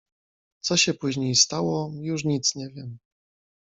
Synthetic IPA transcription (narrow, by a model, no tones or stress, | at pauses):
t̪sɔɕɛpuʑɲejst̪awɔjuʂ̬ɲit̪sɲɛvʲjɛm